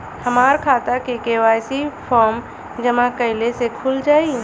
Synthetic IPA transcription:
hɐmaːɾkʰaːt̪akekewaːsipʰɔːɾm | d͡ʒəmãkəɦɪlesekʰʊld͡ʒaːi

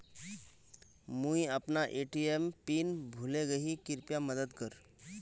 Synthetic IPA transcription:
muiəpnaʔeːʈiempiːnbʱʊleɡɐɦikɪɾpjaməd̪əd̪kəɾ

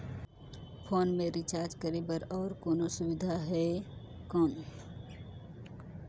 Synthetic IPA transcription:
pʰoːnmẽɾɪt͡ʃaːɾd͡ʒkəɾebəɾɔːɾkoːnosʊwɪd̪ʱaɦɛːkɔːn

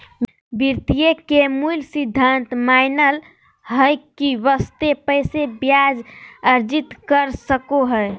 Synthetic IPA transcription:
biɾt̪ijekemulsid̪ʱːənt̪maɪnəl | ɦəjkiʋəst̪epəsebjad͡ʒəɾd͡ʒit̪kəɾsəkoɦəe

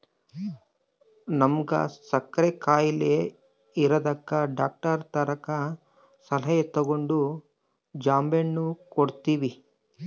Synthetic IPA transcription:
nɐmɡɐ̰sɐkɾekaːjile | iɾɐd̪ɐkːɐɖaːk̚ʈɐɾt̪ɐɾɐkɐ | sɐlɐjet̪ɐɡoɳɖu | d͡ʒaːmbenːukoɽt̪iːʋi

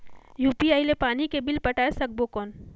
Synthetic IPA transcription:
juːpiaːilepaːnikebɪlpɐʈaːesɐk̚bokɔːn

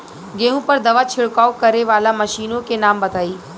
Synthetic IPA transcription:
ɡeːɦũpɐɾd̪ɐʋat͡ʃʰɪɽkaːokɐɾeʋaːlamɐʃiːnõkenaːmbɐt̪aːiː

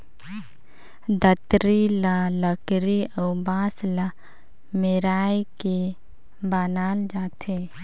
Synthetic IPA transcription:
d̪ət̪ɾilaləkɾiobaːsla | meɾaːike | baːnaːld͡ʒaːt̪eː

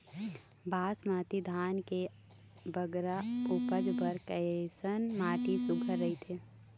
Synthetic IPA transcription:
bʱaːsmaːt̪id̪ʱaːnke | bəɡɾaupəd͡ʒbəɾkəesənmaːʈisʊɡʱəɾːəɦit̪ʰeː

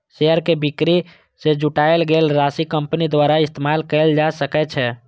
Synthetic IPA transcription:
ʃeəɾkebɪkɾi | sed͡ʒuʈaelɡeːlɾasikəmpnid̪waːɾaɪst̪emaːlkɛld͡ʒasəkɛt͡ʃʰɛ

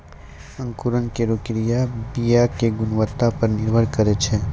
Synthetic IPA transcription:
ɐ̃ŋkuɾənkeɾoːkɾijabijakeɡʊnwət̪ːapɐɾnɪɾbʱəɾkɐɾet͡ʃʰeː

